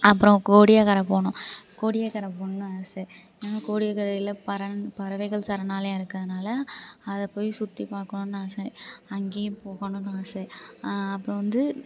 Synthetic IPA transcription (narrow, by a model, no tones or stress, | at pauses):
ɐpːɯɾɔ̃koːɽɪjakɐɾɐpoːɳʊ̃koːɽɪjakɐɾɐpoːɳʊ̃naːse | eːnaːkoːɽɪjaːkɐɾɐɪlɐpɐɾɐpɐɾɐʋɐɪɣɐɭsɐɾɐnaːlɐ̃ːɪɾɯkːɐðɯnaːlɐɐðɐpːoːjsʊt̪ːipaːɾkɐɳʊ̃naːsɛɐŋɡeːjpoːɣɐɳʊ̃naːsɛɐpːɯɾɔ̃ʋɐnd̪ɯ